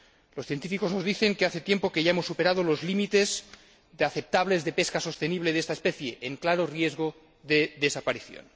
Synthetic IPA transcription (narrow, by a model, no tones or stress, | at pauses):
losθje̞nt̪ifiko̞zno̞zðiθe̞ŋkeaθe̞t̪je̞mpo̞ke̞ʝaemosːupe̞ɾað̞olo̞zlimit̪e̞z | ðeaθep̚t̪aβ̞le̞zðe̞pe̞skaso̞st̪eniβleðest̪aespeθjeʔːŋklaɾorje̞zɣ̞o | ðeðesapaɾiθjo̰n